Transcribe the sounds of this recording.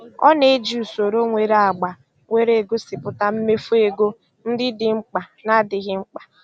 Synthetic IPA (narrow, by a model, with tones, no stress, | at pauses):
ɔ̰˦ne˦d͡ʒi˦˨u˨so˨ɾo˦ŋʷe˨ɾa˨ɡ͡ba˨ | ŋʷe˦ɾe˨ɡo˦sɪ˨pʊ˨ta˦m̩˦me˦fu˦e˨ɡo˦ | n̩˦dɪ˦dɪ˨ŋ͡m̩˦k͡pa˨na˦dɪ˨ɣɪ˦ŋ͡m̩˦k͡pḁ˨